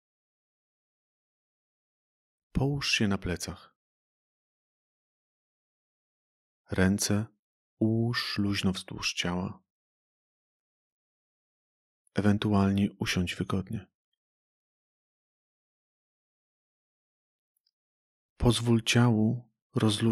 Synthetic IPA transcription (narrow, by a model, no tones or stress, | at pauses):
pʰɔwuʂɕɛnaplɛt̪sax | ɾɛnt̪sɛ | uwuʂluʑnɔvz̥d̪wṵʂt͡ɕawa̰ | ɛvɛnt̪ualɲɛʔuɕɔɲd͡ʑvɘɡɔd̪ɲɛ | pʰɔzvult͡ɕawu | ɾɔzlu